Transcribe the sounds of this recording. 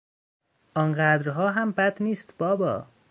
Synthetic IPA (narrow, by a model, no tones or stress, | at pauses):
ʔɒːnɢæːd̪ɾɦɒːɦæmbæd̪niːst̪b̥ɒːbɒ̰ː